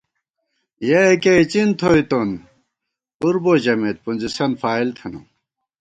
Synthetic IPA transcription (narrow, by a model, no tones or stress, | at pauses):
jekeit͡ɕint̪ʰoit̪on | uɾbod͡ʑɐmet̪̚pund͡ʑisɐnfaːilt̪ʰɐnṵ